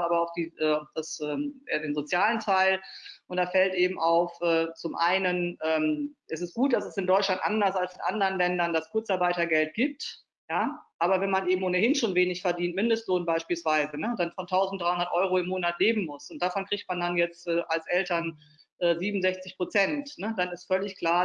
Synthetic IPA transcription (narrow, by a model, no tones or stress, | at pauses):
aːbɐaʊfd̥iːʔɛːd̥asɛːdeːnzot͡sjaːləntʰaɪlʔʊnt̚d̥aːfɛltʔeːbm̩ʔaʊfʔɛːt͡sʊmʔa̰ɪnənʔɛːmʔɛsɪst̚ɡ̥uːt̚d̥asɛsɪndɔʏt͡ʃlantʔa̰ndɐsalsɪnʔa̰ndəʁənlɛndɐndaskʰʊɐt͡saɐbaɪtɐɡɛlt̚ɡ̥iːp̚t | jaːʔaːbɐvɛnmanʔeːbm̩ʔoːnəhɪnʃoːnveːnɪçfɛɐdiːntmɪndəstloːnbaɪʃpiːlsv̥aɪzənəd̥anfɔntʰaʊzn̩td̥ʁaɪhʊndɐtʔɔʏʁoɪmːoːnatleːbm̩mʊsʊnt̚d̥aːfɔnkʁ̥içtmandanjɛt͡stʔɛːʔalsʔɛltɐn | ʔɛːziːbmn̩zɛçt͡sɪçpʁ̥ot͡sɛntnəd̥anɪstfœlɪçkl̥aːɐ